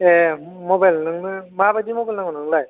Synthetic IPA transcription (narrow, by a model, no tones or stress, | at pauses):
e | mɔbajlnɯŋnɯmabadimɔbalnaŋɔnɯŋlaj